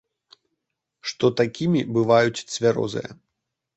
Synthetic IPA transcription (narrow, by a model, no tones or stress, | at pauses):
ʂt̪ɔt̪akʲimʲibɨvajut͡sʲt̪svʲaɾɔ̰zɨ̰jɐ̰